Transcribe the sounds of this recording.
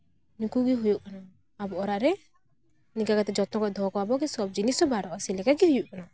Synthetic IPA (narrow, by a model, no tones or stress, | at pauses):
nikuɡiɦujuʔkanaː | bɔʔɔɾaʔɾɛ | nikakat̪ɛd͡ʒɔt̪ɔkɔd̪ʱɔkɔwabɔkɛsɔb̚d͡ʒinisɔbaɾɔʔasilɛkakiɦujuʔkana